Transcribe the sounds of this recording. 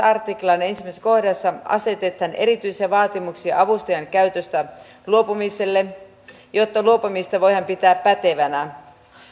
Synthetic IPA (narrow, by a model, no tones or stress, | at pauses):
ɑrt̪iklɑnensimæisko̞hdɑsːɑʔɑ̰se̞t̪et̪hænʔe̞̰ɾit̪yjsiɑʋɑːt̪imuksiɑ̰ʔɑʋust̪ojɑŋkæyt̪øst̪æ | luopumise̞lːe | jo̞t̪ːɑluopumist̪ɑʋo̞jhɑmpit̪æːppæt̪eʋænæ